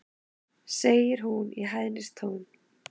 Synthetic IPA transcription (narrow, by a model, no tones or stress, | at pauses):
seːjɪɾ̥ɦuniɦajðnɪst̪ʰoːwn